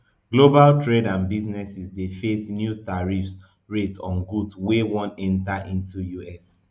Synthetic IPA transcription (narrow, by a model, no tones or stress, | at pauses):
ɡ̥lobaltʰɹedãnbiznɛsisdefesnjutaɹifs | ɹetɔ̃nɡudswewɔ̃nɛ̃ntaʔĩntujuɛs